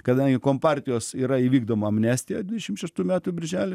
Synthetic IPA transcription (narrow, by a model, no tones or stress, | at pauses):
kɐd̪ɐŋʲɡʲɪkoːmpɑrʲt̪ʲɪjoːsiːɾɐiːʋʲiːɡd̪oːmoɐmʲnʲæːsʲt̪ʲɪjod̪ʲʋʲɪd̪ʲɛʃʲɪmʃʲɛʃt̪uːmʲæːt̪ʊbʲɪɾʲʒʲæːlʲɪ